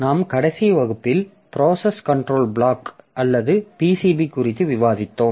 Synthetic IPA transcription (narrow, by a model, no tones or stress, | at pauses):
naːmkɐɽɐsiʋɐɣɯpːɪl | pɪɾoːsɐskɐɳʈɾoːlbɭaːkʔɐlːɐðɯpiːsiːbikʊrɪt̪ːɯʋɪʋaːðɪt̪ːoːm